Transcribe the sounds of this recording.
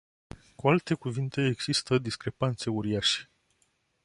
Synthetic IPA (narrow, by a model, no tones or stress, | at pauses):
kualt̪e̞kuvint̪e̞ːɡz̥ist̪əd̪iskɾe̞pant̪se̞uɾiaʃe̥